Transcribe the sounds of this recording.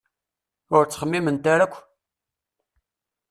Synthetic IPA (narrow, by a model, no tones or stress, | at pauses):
ʊɾt͡sːχəmːimənt̪aɾækʷː